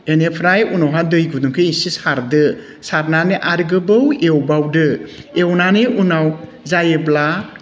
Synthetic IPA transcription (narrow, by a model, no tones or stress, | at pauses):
enepʰɾajunawɦadɯjɡuduŋkʰɯisisaɾdɯ | saɾnaneʔaɾɡɯbɯwewbawdɯewnaneʔunaw | zajebla